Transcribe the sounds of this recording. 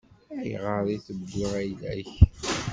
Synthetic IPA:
æjʁəðˤiθəd̪ʊʁæjlæç

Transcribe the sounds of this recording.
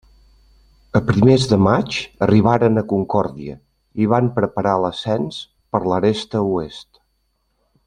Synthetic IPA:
əpɾimezðəmat͡ʃəriβ̞aɾənəkuŋkɔɾðiə̰ | iβampɾəpəɾaləsɛns | pəɾləɾest̪əuest̪

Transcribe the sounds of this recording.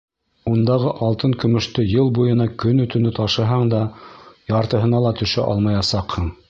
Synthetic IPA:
und̪ɑʁɤʔɑlˠt̪ɤŋkɵ̆mɵ̆ʃt̪ɵjɤlˠbujɤ̆nɑkɵnɵ̆t̪ɵ̆nɘt̪ɑʃɤ̆ɦɑɴd̪ɑjɑɾt̪ɤ̆ɦɤ̆nɑlˠɑt̪ɵ̆ʃæ̰ʔɑ̰lˠmɑjɑsɑqhɤɴ

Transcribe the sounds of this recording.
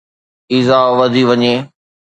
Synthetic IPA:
izaːʋɐd̪ʱiʋɐɲeː

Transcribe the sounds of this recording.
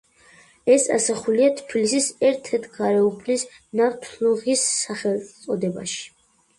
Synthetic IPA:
ɛsa̰saχuliat̪ʰpʰilisisɛɾt̪ʰɛt̪ʰɡaɾɛupʰlis | naɾt̪ʰlˠuʁisːaχɛlˠsʼɔd̪ɛba̰ʃi̥

